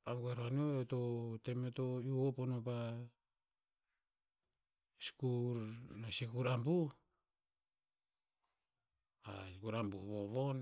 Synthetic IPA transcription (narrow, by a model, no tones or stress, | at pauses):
aŋɡueɾoanioeto̞temeto̞juoponopa | si̥kuɾnasikuɾambu | a̰ikuɾambuβoβon